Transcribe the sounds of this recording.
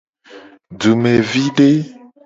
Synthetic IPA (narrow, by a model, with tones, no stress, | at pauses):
du˨me˨vi˦ɖe˦